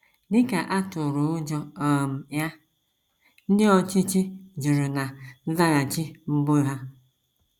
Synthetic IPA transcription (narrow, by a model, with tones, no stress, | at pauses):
dɪ˦ka˨ʔa˦tʊ˨ɾʊ˨ʊ˦d͡ʒɔ˦ɔ˨m̩˨ja˦ | n̩˦dɪ˦ɔ˨t͡ʃi˦t͡ʃi˦d͡ʒi˨ɾu˨na˨n̩˦za˦ɣa˨t͡ʃi˦m̩˦bo˦ɦa˦